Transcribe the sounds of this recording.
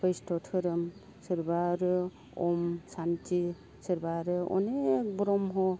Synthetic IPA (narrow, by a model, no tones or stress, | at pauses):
pəjstʰɔtʰɯɾɯm | sɯɾbaɾɯ | ɔmsanti | sɯɾbaɾɯɔ̰nek̚bɾɔmɦɔ